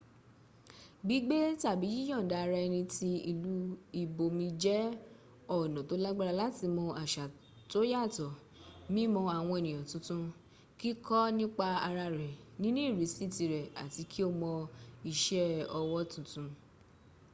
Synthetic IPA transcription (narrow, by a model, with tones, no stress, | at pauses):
ɡ͡bi˨˦ɡ͡be˦ta˦˨bi˨˦jĩ˦ɔ̃˦˨da˨˧a˧ɾa˧ɛ˧nĩ˧ti˧i˧lu˦i˦˨bo˨mĩ˧d͡ʒɛ˦ | ɔ˦˨nɔ̃˨to˨˦la˦ɡ͡ba˦˧ɾa˧la˦ti˧mɔ̃˧ʔa˨ʃa˨ | to˨˦ja˦˨tɔ˨ | mĩ˦mɔ̃˧a˨w̃ɔ̃˧e˨nĩ˨jɔ̃˨tũ˧˦tũ˦ | ki˦kɔ˦nĩ˦k͡pa˧a˧ɾa˧ɾɛ˨nĩ˦nũ˦i˦˨ɾi˨˦si˦˨ti˧ɾɛ˨a̰˨ti˨˧˦kʰi˦o˦˧mɔ̃˧i˧ʃɛ˦ɔ˧wɔ˦tũ˨tũ˧